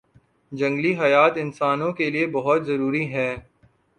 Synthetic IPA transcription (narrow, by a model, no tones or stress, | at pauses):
d͡ʒɐ̃ŋɡliɦɐjaːt̪ɪnsaːnõkeliebɐɦʊt̪zɐɾuːɾiɦɛː